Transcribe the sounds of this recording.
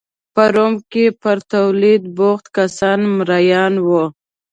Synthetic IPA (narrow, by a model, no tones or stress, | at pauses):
pəɾomkepəɾt̪awlid̪̚boxt̪kasɑnmɾajɑnwo